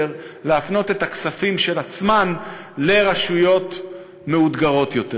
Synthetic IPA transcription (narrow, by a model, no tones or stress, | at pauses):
ʁleafno̞t̪e̞taksafimʃe̞lat͡sman | le̞ʁaʃujo̞t̪ | me̞ud̪ɡaʁo̞t̪jo̞t̪e